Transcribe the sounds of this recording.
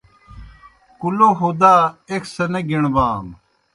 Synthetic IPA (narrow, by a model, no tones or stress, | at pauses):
kuloːɦoːd̪aːekʰsɐneɡiɳ̃baːm